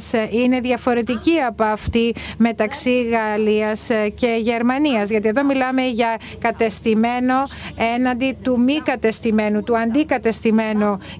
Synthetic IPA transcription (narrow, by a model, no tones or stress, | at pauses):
sine̞ðʝɐfo̞ɾe̞t̪iciɐpoɐft̪ime̞t̪ɐksiɣɐliɐsce̞ʝe̞ɾmɐniɐzʝɐt̪ie̞ðo̞milɐme̞ʝɐ | kɐt̪e̞st̪ime̞no̞e̞nɐnd̪it̪umikɐt̪e̞st̪ime̞nut̪uɐnd̪ikɐt̪e̞st̪ime̞no